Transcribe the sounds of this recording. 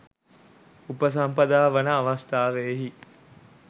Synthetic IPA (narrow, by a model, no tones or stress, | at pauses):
upəs̬ampɐd̪aːʋənəːʋast̪aːʋeɦi